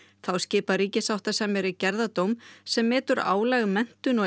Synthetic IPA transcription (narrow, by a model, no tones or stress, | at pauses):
θawscɪːparɾiːcɪsawht̪asɛmɛɾɪcɛɾðat̪owmsɛmːɛːt̪ʏɾa̰ːwlɛɣʏmɛn̥t̪ʏnɔ